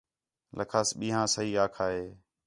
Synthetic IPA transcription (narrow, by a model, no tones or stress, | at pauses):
lʔə̰kʰaːsɓĩːɦãːsəɦiːaːkʰaːɦeː